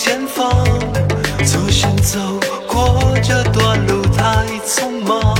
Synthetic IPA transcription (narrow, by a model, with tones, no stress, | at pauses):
t͡ɕjɛ˥nfɑ˥ŋ | t͡sɔ˧˩ɕi˧˥nt͡so˧˩ʊ | kwɔ˧˩ʈ͡ʂə˥˩t̪wa˧˩nlu˧˩t̪ʰa˥ | t͡sʰʊ˥ŋma˧˩